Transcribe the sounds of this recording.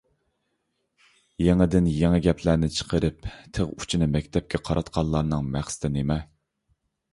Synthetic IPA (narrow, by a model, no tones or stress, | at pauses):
jeŋɪd̪ɪnjeŋɛɡʲɛpʰlæɾnɪt͡ʃʰə̥qʰəɾɨpt̪ʰeʁu̥t͡ʃʰinɨmɛkʲt̪ʰɛp̚kʲʰɛqʰɑɾʔɑt̪qʰɑnlˠɑɾnɨŋmæχsɨ̥t̪ʰɪnemɛ